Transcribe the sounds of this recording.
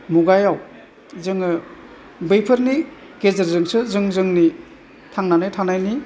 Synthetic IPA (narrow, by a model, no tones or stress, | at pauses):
muɡajaw | zɯŋɯ | bɯjpʰɯɾni | kezɯɾzɯŋsɯzɯŋzɯŋni | tʰaŋnanɯjtʰaŋnajni